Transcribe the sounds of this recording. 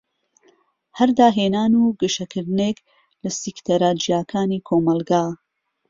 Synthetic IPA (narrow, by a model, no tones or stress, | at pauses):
hɐɾd̪aːɦeːnaːnuːɡɨʃɐkʰɨɾd̪ɨnek | lɐsikt̪ʰɐɾaːd͡ʒijaːkʰaːniːkʰoːmɐlˠɡaː